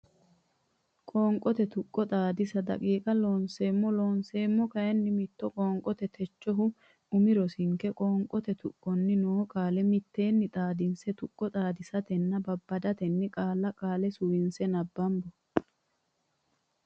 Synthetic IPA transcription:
kʼoːŋkʼːɔt̪ɛt̪ʊkʼːɔt̪ʼaːd̪ɪsɐd̪ɐ̰kʼiːkʼɐloːnseːmːɔloːnse̞ːmːɔkɐɛnːɪmɪt̪ːɔkʼɔːŋkʼɔt̪ɛt̪ʰɛt͡ʃːɔɦʊ | ʊmɪɾɔsɪŋkːɛkʼɔːŋkʼɔt̪ɛt̪ʊ̰kʼːɔnːɪnoːkʼaːlɛmɪt̪ːe̞ːnːɪt̪ʼaːd̪ɪnsɛt̪ʊkʼːɔt̪ʼaːd̪ɪsɐt̪ɛnːɐbɐbːɐd̪ɐt̪ɛnːɪkʼaːlːɐkʼaːlɛsʊwɪnsɛnɐbːɐmbɔ

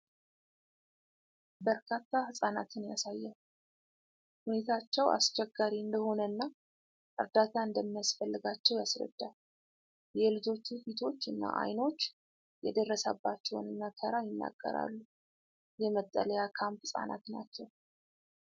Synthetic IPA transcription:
bəɾkʰat̪ːahɨsʼana̰t̪ʰɨnjasajːɛ | hune̞t̪ʰat͡ʃːɛwa̰st͡ʃɛɡːaɾiɨnd̪əho̞nənːa | ʔɨɾd̪at̪ʰaɨnd̪əmːijasfəlːɨɡat͡ʃːɛwjasɾə̰d̪̥ːal | jɛlɨd͡ʒo̞t͡ʃːufit̪ʰo̞t͡ʃːɨnːa̰ʔa̰jno̞t͡ʃː | jɛ̰d̪ərːəsə̰bːat͡ʃːɛwnɨnːakʰəɾajɪnːa̰ɡ̥ːə̰ɾa̰lːu | jɛmət̪ʼːə̰ləjakʰamphɨsʼa̰na̰t̪nat͡ʃːɛw

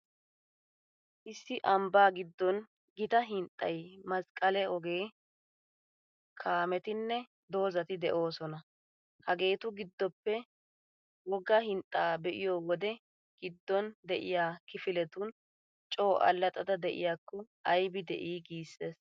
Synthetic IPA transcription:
ʔɪsːɪʔɐmbaːɡɪd̪ːɔn | ɡɪt̪ɐɦɪnt̪ʼːɐ̰jmɐskʼɐlɛɔɡe̞ː | kʰaːmɛt̪ɪnːɛ | d̪o̞ːzɐt̪ɪd̪ɛʔo̞ːsɔnɐ | hɐɡe̞ːt̪ʊɡɪd̪ːɔpːɛ | wɔɡɐhɪnt̪ʼːaːbɛʔɪjoːwɔd̪ɛ | ɡ̥ɪd̪ːɔnd̪ɛʔɪjaːkɪfɪlɛt̪ʊn | t͡ʃʼo̞ːʔɐ̰lːɐt̪ʼɐd̪ɐd̪ɛʔɪ̰jaːkːɔʔɐjbɪd̪ɛ̰ʔiːɡiːsːeːs

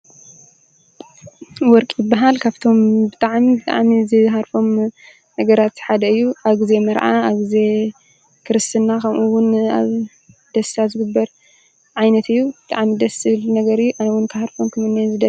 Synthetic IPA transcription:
wɔɾkʼjɪbːaɦalkʰaβt̪ʰo̞mbɨt̪ʼaʕmibɨt̪ʼa̰ʕmizɨɦaɾfo̞m | nɐɡɐɾat̪ħad̪ɐɨjːuʔaβɡɨze̞mɐɾʕa̰aβɡize̞ | kʰɨɾɨst̪ʰɨnːakʰɐmʔuwʊna̰β | d̪̥ɐst̪azɨɡɨbːɐɾ | ʕajnɐt̪ɨjːubɨt̪ʼa̰ʕmid̪ɐsɨlnɐɡɐɾɨjːuʔanwʊnkʰɨhaɾfomkʰɐmɨnːezɨd̪ɐ

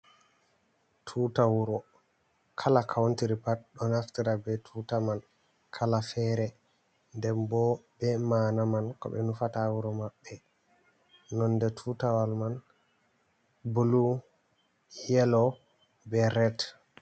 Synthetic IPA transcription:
tʰuːtawuɾɔ | kʰalakʰawntiɾipat̚ɗɔnaftiɾabɛtʰuːtaman | kʰalafɛːɾɛ | ndɛmbɔbɛmanamankɔ̰bɛ̰nufatawuɾɔmaɓːɛ | nɔndɛtʰuːtawalman | bulu | jɛlɔ | bɛɾɛt

